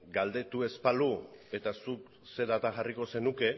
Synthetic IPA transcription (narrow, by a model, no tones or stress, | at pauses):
ɡald̪e̞t̪ue̞spalue̞t̪asuk | se̞ðat̪aɣariko̞se̞nuke̞